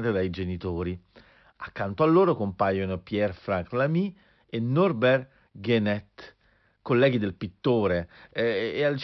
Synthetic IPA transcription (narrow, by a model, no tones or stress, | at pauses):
t̪ed̪ajd͡ʒenit̪oːɾi | akːant̪oalːoːɾokompajonopjɛrfɾaŋklami | enːɔrbɛr | ɡenɛt̪ː | kolːɛːɡid̪elpit̪ːoːɾeː | alt͡ʃ